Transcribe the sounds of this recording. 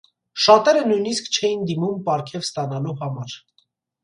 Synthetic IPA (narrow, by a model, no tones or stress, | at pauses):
ʃɑt̪ɛɾənujn̪iskt͡ʃʰɛjind̪imumpɑɾkʰɛvst̪ɑnɑluhɑmɑɾ